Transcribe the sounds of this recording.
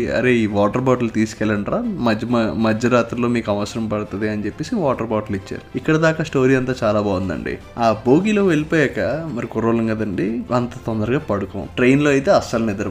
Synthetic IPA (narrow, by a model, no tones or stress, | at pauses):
ɐ̰ɾe̞iːʋaːʈɐɾbaːʈɐlut̪iːsu̥kɛlːɐɳʈɾaːmɐd͡ʒmɐd͡ʒɐɾaːt̪ɾɐlo̞ːmiːkɐʋɐsɐɾɐmpɐɽut̪ɐd̪iɐnit͡ʃepːe̞ːsiʋaːʈɐɾbaːʈɐlit͡ʃːa̰ːɾuikːɐɽɐd̪aːkaːsʈo̞ːɾiːɐnt̪aːt͡ʃaːlaːbaːʋund̪ɐ̰ɳɖḭaːbo̞ːɡilo̞ːʋelipoːjɛkɐmɐɾikuɾɐʋlɐŋɡɐd̪ɐɳɖiɐnt̪ɐt̪ond̪ɐɾɐɡaːpɐɽuko̰ːʈɾejnlo̞ːɐjt̪eːɐsɐlnɛd̪ɐɾɐ